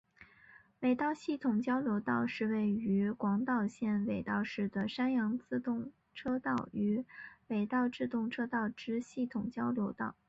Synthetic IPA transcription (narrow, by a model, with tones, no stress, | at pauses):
we˨˩ɪt̪ɑ˥˧ʊɕi˥˩t̪ʰʊ˨˩ŋt͡ɕjɑ˥ʊljo˧˥ʊt̪ɑ˥˧ʊʂɻ̩˥˧we˥˩ɪy˧˥kwɑ˧˥ŋt̪ɑ˥˧ʊɕjɛ˥˩nwe˨˩ɪt̪ɑ˥˧ʊʂɻ̩˥˩d̪ə˩ʂa˥njɑ˧˥ŋt͡sɹ̩˥˧t̪ʊ˥˩ŋ | ʈ͡ʂʰɤ˥t̪ɑ˥˩ʊy˧˥we˨˩ɪt̪ɑ˥˧ʊʈ͡ʂɻ̩˥˧t̪ʊ˥˩ŋʈ͡ʂʰɤ˥t̪ɑ˥˩ʊʈ͡ʂɻ̩˥ɕi˥˩t̪ʰʊ˨˩ŋt͡ɕjɑ˥ʊljo˧˥ʊt̪ɑ̰˥˩ʊ